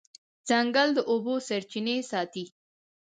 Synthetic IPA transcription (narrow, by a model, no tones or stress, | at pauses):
zaŋɡald̪əʔobosaɾt͡ʃinesɑt̪i